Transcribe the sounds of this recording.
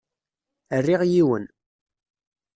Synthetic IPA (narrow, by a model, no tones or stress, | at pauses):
ərːiʁjiwə̰n